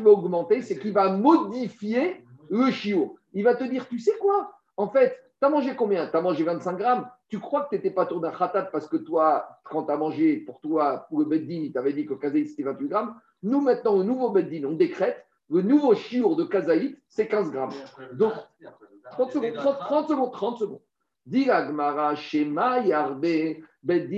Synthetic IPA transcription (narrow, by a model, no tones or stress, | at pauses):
kivaɔɡmɑ̃t̪esɛkilvamɔd̪ifje | ləʃiuʁilvat̪əd̪iʁt̪ysɛkwa | ɑ̃fɛt̪ːyamɑ̃ʒekɔ̃bjɛ̃t̪yamɑ̃ʒevɛ̃t̪sɛ̃kɡʁamt̪ykχwakə̥t̪yet̪ɛpat̪uʁd̪ɛ̃ʁat̪abpaʁsə̥kət̪wakɑ̃t̪yamɑ̃ʒepuʁt̪waləbɛt̪̚d̪init̪avɛd̪ikələkazait̪se̥t̪ɛvɛ̃t̪wiɡʁam | numɛ̃t̪nɑ̃lənuvobɛt̪̚d̪inɔ̃d̪ekχɛt̪ | lənuvoʃiuʁd̪əkazait̪sɛkʲɛ̃zɡʁamd̪ɔ̃k | t̪χɑ̃t̪səɡɔ̃d̪̚t̪χɑ̃t̪t̪ːχɑ̃t̪səɡɔ̃d̪̚t̪χɑ̃t̪səɡɔ̃ | d̪iaɡmaʁaʃemajaʁbebɛt̪̚d̪i